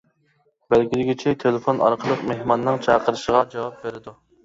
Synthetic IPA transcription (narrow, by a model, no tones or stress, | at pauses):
bɛlɡʲilɪɡʲit͡ʃʰɛt̪ʰelɪfonʔɑ̰ɾqʰəlˠəqmehmɑnːɨŋt͡ʃʰɑqʰəɾɨʃəʁɑɾd̪